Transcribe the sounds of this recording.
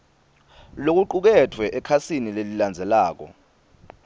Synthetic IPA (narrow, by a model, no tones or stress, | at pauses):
lok̬uǃuk̬ɛtʰwɛʔɛkʰasinileliland͡zʱɛlaːk̬ɔ̰